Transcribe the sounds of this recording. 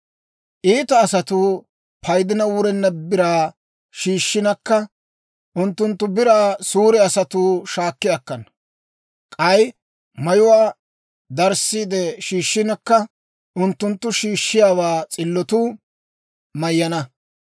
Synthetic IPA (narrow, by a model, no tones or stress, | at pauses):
ʔiːt̪ɐːsɐt̪u | pʰɐjd̪ɪnɐwʊɾɛnːɐbɪɾaː | ʃiːʃːɪnɐkːɐ | ʔʊnt̪ːʊnt̪ːʊbɪɾaːsuːɾɛɐsɐt̪uːʃaːkːɪjɐkːɐn | kʼɐj | mɐjʊwaː | d̪ɐɾsiːd̪ɛʃiːʃːɪnɐkːɐ | ʔʊnt̪ːʊnt̪ːʊʃiːʃːɪjaːwaːt͡sʼɪlːɔt̪uː | mɐjːɐnɐ